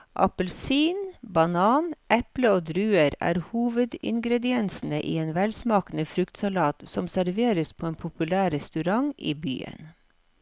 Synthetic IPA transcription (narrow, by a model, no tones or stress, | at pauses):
ʔɑ̰pəlsiːnbɑnɑːnʔɛpləoːd̪ɾʉːəɾæ̰ːɾhuːʋəd̪ɪ̰ŋɡɾɛd̪ɪɛnsn̩əʔḭːeːnʋɛlsmɑːkənəfɾʉkt̪sɑlɑːt̪sɔmsæɾʋeːɾəspʰoːeːnpʰʊpʉlæːɾɛst̪ʉɾɑŋʔḭːby̰ːə̰n